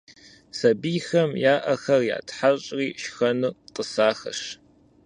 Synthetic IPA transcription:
sɐbiːxɐmjaːʔɐxɐrja̰ːtħaɕʼriːʃxɐnuqʼəsaːxɐ̰ʂ

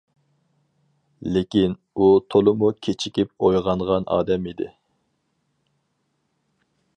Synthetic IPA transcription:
lɪkʲin | ut̪ʰolˠʊmukʲʰet͡ʃʰi̥kʲipojʁɑnʁɑnɑ̰ːd̪ɛmid̪ɪ̰

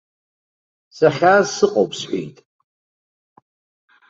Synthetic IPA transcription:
saχʲasɨqʼo̰wpʰʼsħʷḭjtʼ

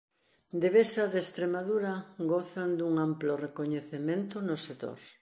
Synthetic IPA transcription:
d̪eβesaðest̪ɾemaðuɾaɡoθand̪uŋamplorekoɲeθemẽnt̪ʊnoset̪o̰ɾ

